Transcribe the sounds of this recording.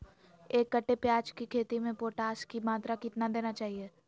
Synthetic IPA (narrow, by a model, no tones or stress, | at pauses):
eːkːɐʈːepjaːd͡ʒkikʰeːt̪imẽpoːʈaːskimaːt̪ɾakɪt̪nad̪eːnat͡ʃaːɦieː